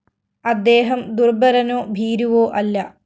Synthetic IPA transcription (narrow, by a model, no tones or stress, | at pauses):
ɐd̪ːeːɦɐmd̪urbɐɾɐnoːbʱiːɾuʋoːʔɐlːɐ